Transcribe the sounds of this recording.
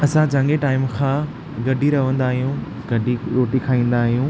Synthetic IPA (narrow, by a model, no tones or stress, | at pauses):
ɐsãt͡ɕãŋɡeʈaːɪmkʰãː | ɡɐɖʱiɾɐʋə̃nd̪aːɦijũ | ɡɐɖʱiɾoːʈikʰaːĩːn̆d̪aːɦijũː